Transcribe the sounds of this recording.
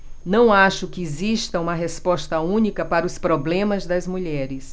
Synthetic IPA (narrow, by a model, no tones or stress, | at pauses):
nɐ̃w̃aʃʊkɪeziʃt̪ɐũmɐɦespɔst̪ɐũnikɐpaɾɐʊspɾoblẽmɐzd̪ɐzmuʎɛɾɪs